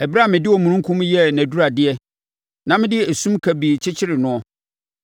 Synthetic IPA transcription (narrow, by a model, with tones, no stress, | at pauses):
ɛ˨bɾa˦˨mɪ̃˨dɪ˦ɔ˨mũ˨ɾũ˦ŋ˦kʰũ˦m˦jɛ˦næ̃˨du˦ɾa˨dɪ˦ɛ˦ | nã˨mɪ̃˦dɪ˦e˨sũ˦mkʰæ˨bi˨t͡ɕʰɪ˦t͡ɕʰɪ˦ɾɪ˨nʊ̃˦ɔ˦